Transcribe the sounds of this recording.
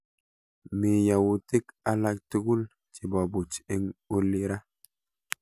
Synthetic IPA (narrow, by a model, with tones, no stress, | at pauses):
mi˨ja˨wu˨ti˦ka˦la˦˨k̚ti˦ku˦l | t͡ʃi˨ba˨bu˨t͡ʃe˦ŋo˦lːi˦ɾa˦